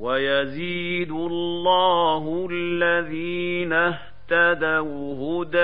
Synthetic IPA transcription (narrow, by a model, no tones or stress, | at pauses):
wajaziːd̪ʊllːɑːhʊlːaðiːnah | t̪ad̪awhʊd̪a